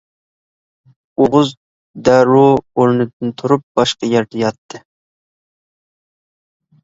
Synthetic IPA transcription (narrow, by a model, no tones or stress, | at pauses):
oʁʊz | d̪æɾuoɾnɨd̪ɨnt̪ʰuɾup̚b̥ɑʃqɑjɛɾd̪ɛjɑt̪ʰːɨ